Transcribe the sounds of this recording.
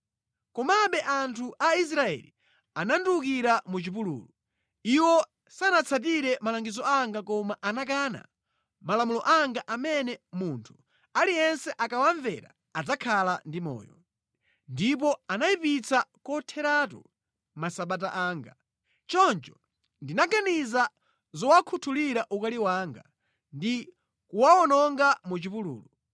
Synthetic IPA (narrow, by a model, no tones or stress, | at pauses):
kɔmaɓɛʔantʰuʔais̬ɾaɛ̰li | anandukiɾamut͡ʃip̬ulṵːlu | iwɔ | sanat͡sʰat̬iɾɛmalaŋɡizɔaŋɡakɔmaʔanak̬aːna̰ | malamulɔʔaŋɡaʔamɛnɛmuntʰu̥ | alijɛnsɛʔakawaɱvɛɾa̰ | ad͡zakʰalandimɔ̰ːjɔ | ndip̬ɔanaipit͡sakɔtʰɛɾat̬ṵ | masaɓat̬aʔaːŋɡa | t͡ʃɔnt͡ʃɔ̥ | ndinaɡaniza | zɔwakʰutʰuliɾaʔukaliwaːŋɡa̰ | ndi | kuwaɔnɔŋɡamut͡ʃipulṵːlɔ